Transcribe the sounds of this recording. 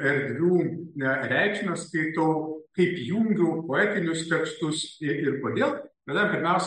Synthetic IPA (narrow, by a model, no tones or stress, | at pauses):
ɛɾʲd̪ʲʋʲuːɛɾʲæɪkʃʲnɐstɐɪt̪oʊkɐɪpjuːŋʲɡʲʊpoːæːt̪ʲɪnʲʊst̪ʲɛkst̪ʊsɪɪɾkoːd̪ʲeːlˠʋʲɛd̪ɐɾmpʲɪɾʲmʲɛʊsʲ